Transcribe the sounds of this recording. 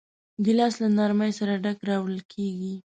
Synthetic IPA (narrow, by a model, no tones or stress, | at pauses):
ɡɪlɑslanaɾməjsaɾaɖakɾɑwɽəlkʰeɡi